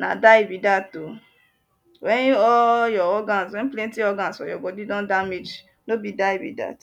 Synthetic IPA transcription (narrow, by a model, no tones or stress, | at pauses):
na̰daibidato | wɛnɔjɔɔɡãnswɛ̃nplɛ̃ntiɔɡansɔ̰jɔɡɔdidɔ̃ndamed͡ʒ | nobidaibḭda̰t